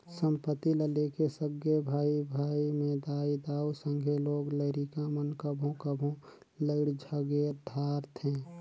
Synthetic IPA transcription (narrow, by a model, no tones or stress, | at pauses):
sə̃mpət̪ːiləlekesəɡjəbʱaːibʱaːimẽd̪aːid̪aːusə̃ŋɡʱeloːɡləɪɾikamənkəbʱõkəbʱõ | ləɪɽd͡ʒʱəɡeɾd̪ʱaːɾt̪ʰɦɛ̃ː